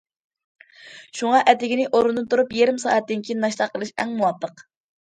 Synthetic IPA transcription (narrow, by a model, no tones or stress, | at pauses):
ʃuŋɑʔɛt̪ɪɡʲinɪʔoɾund̪ɨnt̪ʰuɾupjeɾɪmsɑ̰ːɛt̪̚ːɪnkʲʰijnnɑʃt̪ɑqːəlˠɨʃɛ̰ŋmuwɑpʰːəq